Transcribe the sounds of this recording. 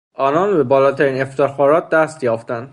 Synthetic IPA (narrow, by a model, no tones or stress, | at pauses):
ʔɒːnɒːnbe̞bɒːlɒːt̪ʰæɾiːne̞ft̪ʰexɒːɾɒːt̪̚d̪æst̪jɒːft̪ænd̪̥